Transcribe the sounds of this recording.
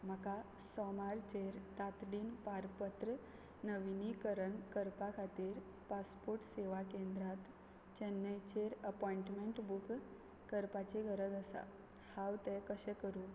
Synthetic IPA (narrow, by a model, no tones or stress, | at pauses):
m̤əka | sɔmaɾt͡ɕeɾt̪at̪ɽiːnpaɾpət̪ɾə | nəʋinikəɾəɳkəɾpakʰat̪iːɾ | paspoɾʈseʋakẽnd̪ɾat̪ | t͡ɕənːəjt͡ɕeɾəpɔiɳʈmeɳʈbuk | kəɾpat͡ɕeɡʱəɾət̪əsa̰ | hawt̪ɛkəɕɛkəɾuː